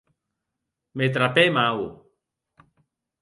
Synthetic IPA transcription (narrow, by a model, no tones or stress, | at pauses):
met̪̬ɾapemawu